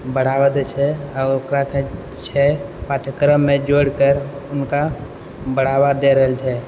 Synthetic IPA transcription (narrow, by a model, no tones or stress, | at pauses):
bəɽ̤awəd̪t͡ʃʰɛəokɾake | t͡ʃʰɛpaːʈʰəkɾəmːẽd͡ʒoːɽkəɾʊnka | bəɽ̤aːwad̪eɾəɦəlt͡ʃʰɛ